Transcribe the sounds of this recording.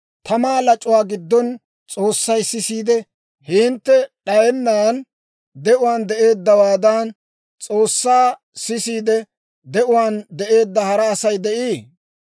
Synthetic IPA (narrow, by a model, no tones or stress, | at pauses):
t̪ɐmaːlɐt͡ʃʼʊwaːɡɪd̪ːɔn | t͡sʼoːsːɐjsɪsiːd̪ɛ | hɪnt̪ːɛɗɐjɛnːaːn | d̪ɛʔʊwaːnd̪ɛʔe̞ːd̪ːɐwaːd̪an | t͡sʼoːsːaː | sɪsiːd̪ɛ | d̪ɛʔʊwaːnd̪ɛʔe̞ːd̪ːɐhɐɾɐːsɐjd̪ɛʔiː